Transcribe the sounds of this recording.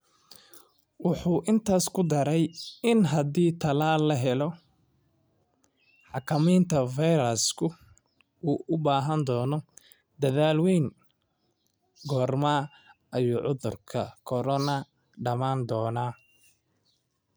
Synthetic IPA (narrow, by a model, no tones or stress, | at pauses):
wʊħuːʔɪnt̪ʰaːskʰʊd̪ɐɾɛjɪnɦɐd̪iːt̪ʰɐlaːlːɐɦɛlɔ | ħɑkʰɐmiːnt̪ʰɐfajɾɐskʰʊ | uːʔʊbaːɦɐnd̪ɔːnɔ | d̪ɐðaːlwɛjŋ | ɡɔːrmaː | ɐjuːʕʊðʊrkʰɐkʰɔɾɔnɐ | ɖɐmaːnd̪ɔːnaː